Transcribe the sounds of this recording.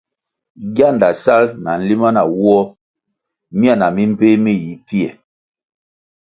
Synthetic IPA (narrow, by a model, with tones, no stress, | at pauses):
ɡja˦˨nda˨sa˦lna˨n̩˦li˦ma˦na˨wwɔ˦ | mi˦a˦˨na˨mi˦m̩˦pe˦mi˦ji˨˦pi˦ɛ˨